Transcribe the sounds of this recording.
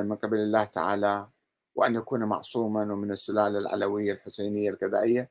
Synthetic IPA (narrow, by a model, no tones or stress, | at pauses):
mɪnqɪbalɪlːaːht̪aʕaːla | wɪʔanjakuːnmɑ̰ʕsˤuːmanwɪmɪnɪsːʊlaːlalʕa̰lawɪjːalħʊseːnɪjːalɣɪd̪a̰ːʔɪjːa